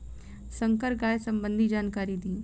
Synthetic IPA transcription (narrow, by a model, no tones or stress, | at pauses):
sə̃ŋkəɾɡaːjesɐ̃mbə̃nd̪ʱid͡ʒaːnkaːɾid̪ĩː